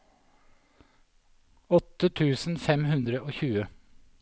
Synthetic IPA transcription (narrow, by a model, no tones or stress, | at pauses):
ɔt̪ːət̪ʰʉːsn̩fɛmhʉnd̪ɾəʔoːçʉːə